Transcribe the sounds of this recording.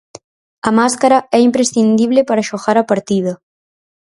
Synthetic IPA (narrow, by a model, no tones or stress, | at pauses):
ɐmaskaɾɐɛimpɾesθind̪iβlɪpaɾɐʃoɣaɾɐpaɾt̪ið̞ɐ